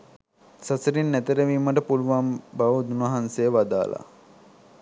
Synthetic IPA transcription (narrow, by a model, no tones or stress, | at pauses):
sasəɾinːæt̪əɾəʋiːməʈəpuluʋambaʋud̪unɐɦansejəʋad̪a̰ːlʔa̰